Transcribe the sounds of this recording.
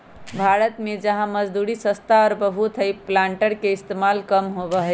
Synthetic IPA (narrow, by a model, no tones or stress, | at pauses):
bʱaɾət̪med͡ʒəɦãməd͡ʒd̪uɾisə̃st̪ʰaɔːɾbəɦut̪ɦəjplãɳʈəɾkeɪst̪emalkəmɦobəɦɛ